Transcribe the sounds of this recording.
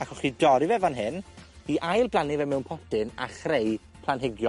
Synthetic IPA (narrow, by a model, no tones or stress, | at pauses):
akʰɔχidɔɾivɛvanɦɪnhiːʔajlˠblˠanɪvɛmɛwnpʰɔtɪna̰χrej | pʰlˠanɦɪɡjɔ